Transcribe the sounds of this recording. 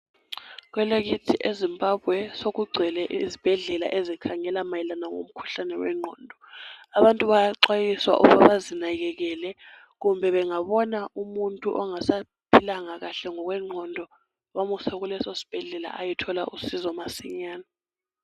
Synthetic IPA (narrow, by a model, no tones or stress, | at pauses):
kwɛleɣitʰiʔezimbʱabʱwɛsoɣuɡ͡ǀʱɛlɛʔizib̥ʱɛɮɛla̰ʔezikʰaŋɛlamajilanaŋo̰m̩kʰu̥ɬanɛwɛ̰ŋ͡ǃʱɔ̰ndʱɔaβantʼuβajaǁwajiswa̰ʔṵβaβazinaɣɛɣɛlɛ | ɣumbʱɛβɛŋaβɔnaumuntʼuʔɔŋasa | pʰilaŋaɣaɬɛŋɔɣwɛŋ͡ǃʱɔndʱɔ | wamusɛɣulɛsosi̥b̥ʱɛɮɛla̰ʔajitʰɔlaʔusizɔmasiɲaːna